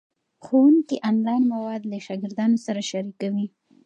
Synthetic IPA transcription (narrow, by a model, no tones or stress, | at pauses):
xowuŋkiʔɑnlɑjnmawɑd̪laʃɑɡɪɾd̪ɑnosaɾaʃaɾikawi